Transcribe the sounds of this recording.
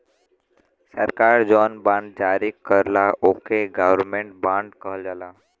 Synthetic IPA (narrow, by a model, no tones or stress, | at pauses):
səɾkaːɾd͡ʒɔːnbãːɳɖ̚d͡ʒaːɾikəɾlaʔoːkeɡəʋəɾmẽɳʈ̚bãːɳɖkəɦəld͡ʒala